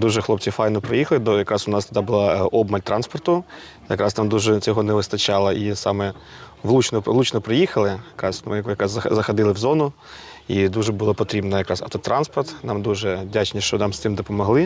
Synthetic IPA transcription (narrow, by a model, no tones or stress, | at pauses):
d̪uʒɛxlˠɔpt͡sʲifɑjnɔpɾɔjixɐlˠɪd̪jɐkɾɑsʊnɑst̪ɐd̪ɑbʊlˠɑɔbmɐlʲt̪ɾɑnspɔrt̪ʊ | jɐkɾɑsnɑmd̪uʒɛt͡sʲɔɦɔnɛʋɪst̪ɐt͡ʃɑlˠɐʔisɑmɛ | ʋlˠut͡ʃnɔlˠut͡ʃnɔpɾejixɐlˠɪjɐkɾɑsmɪjɐkɑsɐzɐxɐd̪ɪlˠɪwzɔnʊ | id̪uʒɛbʊlˠɔpɔt̪ɾʲibnɐjɐkɾɑsɐ̰t̪ɔt̪ɾɑnspɔrt̪nɑmd̪uʒɛdʲat͡ʃnʲiʃt͡ʃɔnɑmst̪ɪmd̪ɔpɔmɔɦlˠɪ